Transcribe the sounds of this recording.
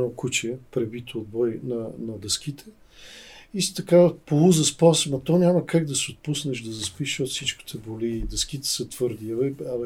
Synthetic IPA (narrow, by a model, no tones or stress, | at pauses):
okut͡ʃɛpɾɛbit̪ʰood̪̚bɔjnɐnɐd̪ɛsk̟it̪ʰɛ | ist̪ɐkavəpolˠuzɐspɔsmɐt̪ɔnʲamɐkaɡ̚d̪ɐsiot̪̚pusnɛʃd̪ɐzɐspiʃot̪sit͡ʃki̥t̪ʰɛboliːd̪ɛsk̟it̪ɛ̥sət̪v̥ɤɾd̪ivɛɐ